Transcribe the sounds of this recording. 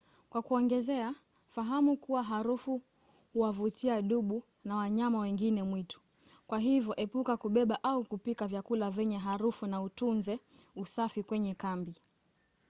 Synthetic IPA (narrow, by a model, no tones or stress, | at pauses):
kwakuɔŋɡɛzɛa | faɦamukuwaɦaɾufu | huwavutiaɗuɓu | nawaɲamawɛŋɡinɛmwitu̥ | kwaɦivjɔʔɛpukakuɓɛɓaʔaukupikavjakulavɛɲɛɦaɾufunautunzɛusafikwɛɲɛkambi